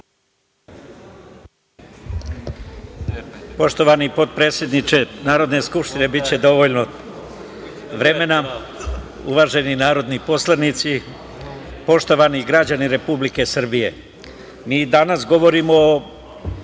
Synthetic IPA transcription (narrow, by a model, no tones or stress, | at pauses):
po̞ʃt̪o̞ʋanipo̞t̪̚pɾe̞ːt̪sjed̪nit͡ʃe̞naːɾo̞d̪ne̞skupʃt̪ine̞bit͡ɕe̞d̪o̞ʋo̞ʎno̞ | ʋɾe̞me̞na | ṵʋaːʒe̞ninaːɾo̞d̪nipo̞slˠanit̪si | po̞ʃt̪o̞ʋaniɡɾad͡ʑaniɾe̞publike̞sr̩bije̞ | miːd̪anasɡo̞ʋo̞ɾimo